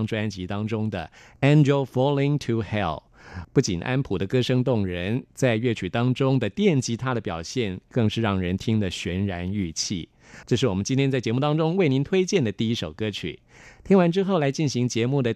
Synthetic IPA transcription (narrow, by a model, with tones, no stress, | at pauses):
ŋʈ͡ʂwa˥nt͡ɕi˧˥t̪ɑ˥ŋʈ͡ʂʊ˥ŋd̪ə˨ɛ˥nd͡ʑo˧ʊfɔ˥li˥ŋt̪ʰu˧xɛ˥˩l | pu˥˩t͡ɕi˨˩nʔa̰˥npʰu˨˩d̪ə˦kɤ˥ʂɤ˥ŋt̪ʊ˥˩ŋɻə˧˥nt͡sa˥˧ɪɥɛ˥˩t͡ɕʰy˨˩t̪ɑ˥ŋʈ͡ʂʊ˥ŋd̪ə˨t̪jɛ˥˩nt͡ɕi˧˥t̪ʰa˥d̪ə˨pjɑ˨˩ʊɕjɛ˥˩nkɤ˥˧ŋʂɻ̩˥˧ɻɑ˥˩ŋɻə˧˥nt̪ʰi˥ŋd̪ə˨ɕɥɛ˧˥nɻa˧˥ny˥˧t͡ɕʰḭ˥˩ | ʈ͡ʂɤ˥˧ʂɻ̩˥˩wɔ˨˩mə˦nt͡ɕi˥nt̪ʰjɛ˥nt͡sa˥˩ɪt͡ɕjɛ˧˥mu˥˩t̪ɑ˥ŋʈ͡ʂʊ˥ŋwe˥˩ɪni˧˥nt̪ʰwe˥ɪt͡ɕjɛ˥˩nd̪ə˩t̪i˥˩i˦˥ʂo˨˩ʊkɤ˥t͡ɕʰy̰˨˩ | t̪ʰi˥ŋwa˧˥nʈ͡ʂɻ̩˥xo˥˩ʊla˧˥ɪt͡ɕi˥˩nɕi˧˥ŋt͡ɕjɛ˧˥mu˥˩d̪ə˩